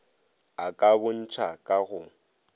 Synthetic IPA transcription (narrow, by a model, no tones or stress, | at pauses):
akʼabʊn̩t͡ʃʰakʼaɣʊ